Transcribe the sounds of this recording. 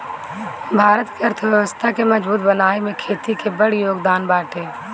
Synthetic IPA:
bʱaːɾət̪keɐɾt̪ʰʋjɛʋəst̪ʰakemɐd͡ʒbuːt̪bənaːemẽkʰeːt̪ikebəɽjoːɡd̪aːnbaːʈʰeː

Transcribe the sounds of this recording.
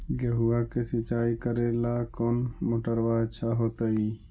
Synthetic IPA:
ɡəɦuakesit͡ʃaikəɾelakɔnmoʈəɾbat͡ʃʰaɦot̪əi

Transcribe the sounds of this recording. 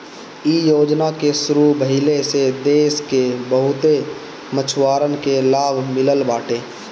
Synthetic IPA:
ijoːd͡ʒnakesʊɾubʱəɦɪlesed̪eːskebəɦʊt̪e | mət͡ʃʰwaːɾənkelaːbʱmɪləlbaːʈeː

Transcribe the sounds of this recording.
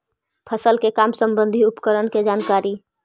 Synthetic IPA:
pʰəsəlkekaːmsə̃mbə̃nd̪ʱiʊpkəɾənked͡ʒaːnkaːɾi

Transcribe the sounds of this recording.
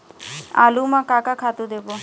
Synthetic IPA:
a̰lumãkakakʰat̪ud̪ebo

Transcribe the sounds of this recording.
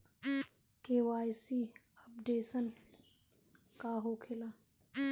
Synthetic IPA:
kewaːjsi | ɐp̚ɖeːsən | kaɦoːkʰɪlaː

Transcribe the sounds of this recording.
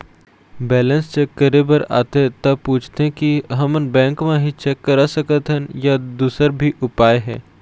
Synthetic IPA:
bɛːlə̃nst͡ʃekːəɾebəɾa̰ːt̪eɦɛt̪ɐpuːt͡ʃʰt̪eɦẽkiɦɐmənbɛ̃ːŋkmẽɦit͡ʃɛkːəɾasəkət̪ɦɛnjad̪uːsəɾbʱiʔʊpaːeɦɛ̰̃ː

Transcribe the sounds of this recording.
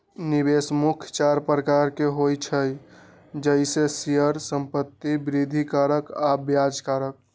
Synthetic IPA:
nibesmukʰt͡ʃaɾpɾəkaɾkeɦojt͡ʃʰəj | d͡ʒəɪsesijəɾsəmpət̪ːibɾid̪ʱikaɾəkabjad͡ʒkaɾək̚

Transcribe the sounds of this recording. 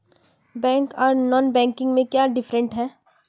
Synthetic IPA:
bɛ̃ːŋkɔːɾnɔːnbɛ̃ːŋkɪ̃ŋɡmẽkjaːɖɪfɾə̃ɳʈɦɛː

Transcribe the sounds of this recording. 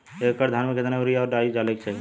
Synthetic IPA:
ekəɾd̪ʱaːnmẽkɪt̪naɾijaɔːɾɖaːid͡ʒalek̚t͡ʃaːɦi

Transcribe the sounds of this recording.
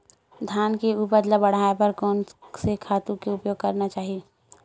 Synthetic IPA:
d̪ʱjaːnkeuːpəd̪labɐɽ̤aːepɐɾkoːnsekʰaːt̪ũkeʊpjoːɡ̚kɐɾnat͡ʃaːɦie

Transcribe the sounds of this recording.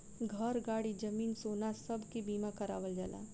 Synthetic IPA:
ɡʱɐɾɡaːɽid͡ʒɐmiːnsoːnasɐbʱkibiːmakɐɾa̰ːʋəld͡ʒa̰la̰ː

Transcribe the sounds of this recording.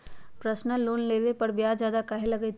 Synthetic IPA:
pɾəsnəlːoːnleːʋepɐɾbjaːd͡ʒjaːd̪akɐɦelɐɡəi

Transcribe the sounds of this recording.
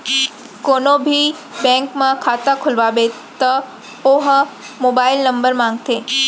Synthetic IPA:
konobʱi | bɛ̃ŋkmãkʰaːt̪akʰʊlʋabe | t̪ə | oɦ | moːbaɪlnə̃mbəɾmãŋɡ̚t̪ʰeː

